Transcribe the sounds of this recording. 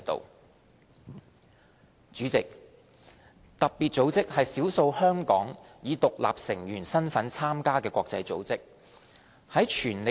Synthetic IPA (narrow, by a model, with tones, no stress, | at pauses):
t̪o̰˨w | t͡ʃyː˨˥t͡sɪ˨k̚ | t̪ɐ˨p̚piː˨t̚t͡so˨˧˥wt͡sɪ˥k̚hɐ˨jsiː˨˥wso˧whœː˥ŋkɔ̰ː˨˥ŋjiː˨˧t̪ʊ˨k̚la̰ː˨p̚sɪ˨˩ŋjyː˨˩nsɐ˥nfɐ˨˥nt͡sʰaː˥mkaː˥kɛː˧kʷɔː˧k̚t͡sɐ˧jt͡so̰˨˥wt͡sɪ˥k̚ | hɐ˨˥jt͡ʃʰyː˨˩nle˨